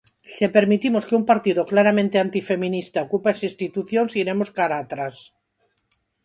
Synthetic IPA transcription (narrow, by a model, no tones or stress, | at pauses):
ʃepeɾmit̪imoskeumpaɾt̪iðoklaɾamẽnt̪eant̪ife̞mĩnist̪aokupaesist̪it̪uθjonsiɾemoskaɾat̪ɾas